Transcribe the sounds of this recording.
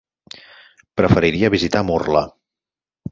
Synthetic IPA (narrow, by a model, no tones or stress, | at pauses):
pɾəfəɾiɾiəβizit̪amurlə